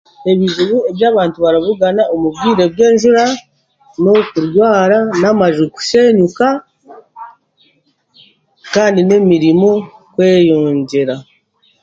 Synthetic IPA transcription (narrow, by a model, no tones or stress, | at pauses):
e̞βiʒuβue̞βjaːβaːntuβaɾaβuɡanaʔomubɡiːɾe̞bje̞ːnʒuɾa | no̞kuɾjwaːɾanamaʒuku̥se̞ɲuka | kaːndine̞miɾimo̞kwe̞ːjoːɲɟeɾa